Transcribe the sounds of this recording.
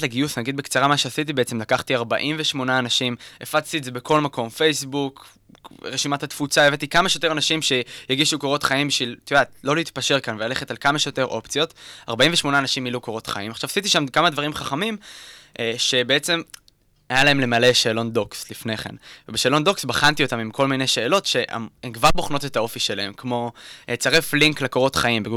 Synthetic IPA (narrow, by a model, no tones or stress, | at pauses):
leɡiusnaɡid̪̚bekt͡saʁamaʃeasit̪̬ibeet͡se̞mlakaχtiaʁba̰ʔimveʃmo̞naːnaʃimefat͡st̪ieze̞be̞ko̞lmako̞mfe̞jsbuk | ʁeʃimat̪hat̪fut͡saevet̪ikamaʃejote̞ʁanaʃimʃe̞jeɡiʃukoʁo̞t̪χaimbiʃvilt̪udat̪lo̞leit̪paʃe̞ʁkanvelale̞χe̞talkamaʃejo̞t̪e̞ʁʔo̞pt͡sijo̞t̪a̰ʁbaĩɱveʃmo̞naːnaʃimilukoʁo̞t̪χa̰imaχʃavasit̪̬iʃamkamad̪vaʁimχaχamimʔʃe̞beet͡se̞m | ajalae̞mle̞male̞ʃeːlo̞ndo̞kslifne̞χḛnvebeʃeːlo̞ndo̞ksbaχant̪io̞tamimkʰo̞lmineʃe̞ːlo̞tʃe̞ʔa̰memkvaʁboχno̞t̪e̞t̪ao̞fiʃe̞lae̞mkmo̞et͡saʁefliŋklekoʁo̞t̪χaimbe